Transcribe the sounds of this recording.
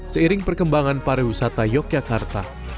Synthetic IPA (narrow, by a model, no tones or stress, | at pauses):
səiɾɪŋpərkəmbaŋanpaɾiwisat̪ajɔk̚jakart̪a̰